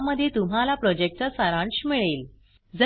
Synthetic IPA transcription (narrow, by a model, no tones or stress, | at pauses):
məd̪ʱːjet̪um̤alapɾɔd͡ʑek̚ʈəsəɾãɳɕmiɭel | d͡zə